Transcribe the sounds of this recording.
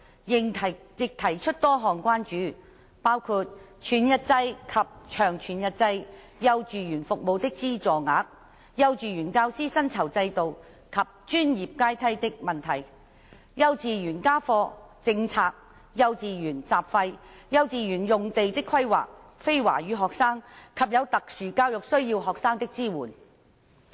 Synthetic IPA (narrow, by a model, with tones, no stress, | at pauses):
ɪ˨tʰ | jɪ˨k̚t̪ʰɐ˨˩jt͡ʃʰɵ˥t̚t̪ɔː˥ɦɔː˨ŋkʷwaː˥nt͡ʃyː˨˥ | paː˥wkʰuː˧t̚t͡ʃʰyː˨˥njɐ˥t̚t͡sɐ˧jkʰɐ˨p̚t͡ʃʰœː˨˩ŋt͡ʃʰyː˨˩njɐ˧t̚t͡sɐ˧j | jɐ˧wt͡ʃyː˨jyː˨˩nfʊ˨k̚mo˨˧wt̪ɪ˥k̚t͡siː˥t͡sɔː˨ŋaː˨˥k̚ | jɐ˧wt͡ʃyː˨jyː˨˩nkaː˧wsiː˥sɐ˥nt͡sʰɐ˨˩wt͡sɐ˧jt̪o˨w | kʰɐ˨p̚t͡ʃyː˥njiː˨p̚kaː˥jt̪ʰɐ˥jt̪ɪ˥k̚mɐ˨˩nt̪ʰɐ˨˩j | jɐ˧wt͡siː˨˧jyː˨˩nkaː˥fɔː˧t͡sɪ˧ŋt͡sʰaː˧k̚ | jɐ˧wt͡siː˨jyː˨˩nt͡saː˨p̚fɐ˧j | jɐ˧wt͡siː˨˧jyː˨˩njʊ˨ŋt̪e˨jt̪ɪ˥kʰɐ˥jwa̰ː˨k̚ | fe˥jwa̰ː˨˩jyː˨˧ɦɔː˨ksaː˥ŋkʰɐ˨p̚jɐ˨˧wt̪ɐ˨k̚syː˨˩kaː˧wjʊ˨k̚sɵ˥ɥjiː˧wɦɔː˨k̚saː˥ŋt̪ɪ˥k̚t͡siː˥wuː˨˩n